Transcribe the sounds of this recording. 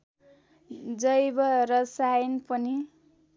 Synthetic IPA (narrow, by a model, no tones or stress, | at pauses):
d͡zʌjbʌɾʌsajinpʌni